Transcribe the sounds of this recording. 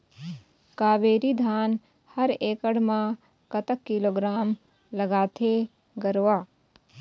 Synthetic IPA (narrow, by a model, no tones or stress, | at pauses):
kaːʋeːɾid̪ʱaːn | hɐɾeːkəɽmã | kɐt̪əkːɪloːɡɾaːm | lɐɡaːt̪ʰe | ɡɐɾʋaː